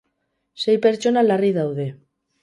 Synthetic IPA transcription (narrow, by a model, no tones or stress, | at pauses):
sejpeɾt͡ʃonalariðawðe